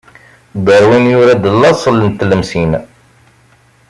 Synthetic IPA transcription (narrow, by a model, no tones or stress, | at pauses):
d̪ˤəɾwinjʊɾæd̪əlːɑsˤələnt̪ːləmsin